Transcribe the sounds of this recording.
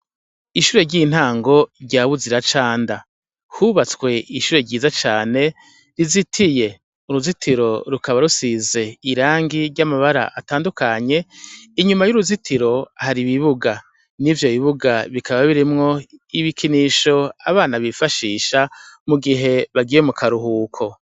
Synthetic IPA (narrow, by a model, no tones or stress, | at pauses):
iʃuːɾe̞ɾɟiːn̥haːŋɡo̞ɾɟaːβuziɾat͡ʃaːnda | huβat͡skwe̞iʃuːɾeɾɟiːzat͡ʃaːne̞ | ɾizitʰije̞ | uɾuzitʰiɾo̞ɾukaβaɾusize̞iɾaːŋɡiɾɟamaβaɾa̰ʔataːndukʰaɲe̞iɲumajuɾuzitʰiɾo̞haɾiβiβuɡa | nivjo̞βiβuɡaβikʰaβaβiɾimŋo̞iβikʰiniʃo̞aβaːnaβifaʃiːʃamuɡiɦe̞βaɡijemukʰaɾuɦuːkʰo̞